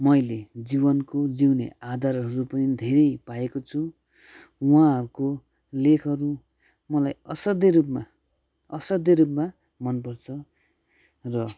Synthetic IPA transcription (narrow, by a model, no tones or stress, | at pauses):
mʌjled͡zibʌnkod͡ziwnḛad̪ʱaɾɦʌɾupʌnid̪ʱeɾʌjpaekot͡sʰu | wãʌɾuko | lekʰʌɾu | mʌlajʌsʌd̪ʌɾupma | ʌsʌd̪ʌɾupma | mʌnp̬ʌrt͡sʰʌ | rʌ